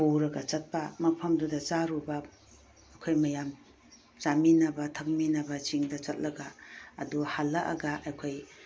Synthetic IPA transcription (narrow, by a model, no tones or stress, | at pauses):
powɾɐɡɐt͡ʃɐt̚pɐmɐpʰɐmdudɐt͡ʃaɾubɐː | kʰojmɐjam | t͡ʃaminɐbɐtʰɐk̚minɐbɐt͡ʃiŋdɐt͡ʃɐt̚lɐɡaːduhalːɐʔɐ̰ɡaʔajkʰoj